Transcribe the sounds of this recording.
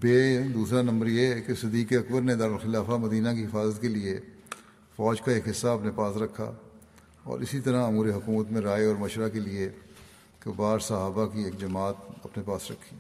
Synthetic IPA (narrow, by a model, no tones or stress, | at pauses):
beːd̪uːsɾanɐ̃mbəɾjekesɪd̪iːkeɐkbəɾned̪aːɾəlxɪlaːfamɐd̪iːnakiɦɪfaːzət̪kelie | fɔːd͡ʒkaeːkɦɪsːaɐpnepaːsɾɐkʰːa̰ː | ɔ̰ːɾɪsit̪ɐɾaʊmuːɾeɦʊkuːmət̪mẽɾaːeɔːɾmɐʃɾakelie | kebaːɾsɐɦaːbakieːkd͡ʒɐmaːt̪ɐpnepaːsɾɐkʰːiː